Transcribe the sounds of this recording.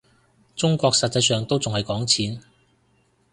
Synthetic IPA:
t͡sʊ˥ŋkʷɔː˧k̚sɐ˨t̚t͡sɐ˧jsœː˨˩ŋt̪o˥wt͡sʊ˨ŋhɐ˨jkɔː˨˥ŋt͡sʰiː˨˥n

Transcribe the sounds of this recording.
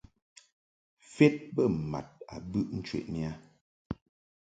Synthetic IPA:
fɛ˦t̚bə˦˨ma̰˨t̚a̰˨bʉ˦ʔn̩˦t͡ʃwɛ̰˨ʔmi˦a˦

